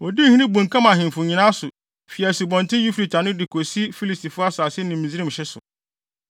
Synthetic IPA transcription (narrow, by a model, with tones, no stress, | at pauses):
ɔ˨di˦˨hĩ˦nĩ˦bũ˨ŋ̩˨kʰã˦mã˨ɦɪ̃˨m˨fʊ˨ɲĩ˨nã˦sʊ˨ | fi˨æ˨su˨bɔ̃˨ntʰɪ̃˦ju˦fi˨tʰa˨nʊ̃˦dɪ˨kʰo˨si˦fi˦li˨sti˨fʊ˦a˦sʊ˨a˨sɪ˦nɪ̃˨mĩ˨zi˦ɾĩ˦m̩˨ɕɛ˦sʊ̰˨